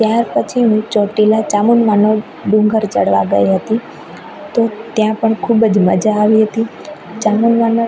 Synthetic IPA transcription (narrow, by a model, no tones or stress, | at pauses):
t̪jaɾpət͡ʃʰiɦũt͡ʃɔʈelat͡ʃamunmano | ɖũŋɡəɾt͡ʃəɽʋa̰ɡə̰jɦət̪i | t̪ot̪jãpəɳkʰubd͡ʒmə̰d͡ʒaːʋiɦət̪i | t͡ʃamunmano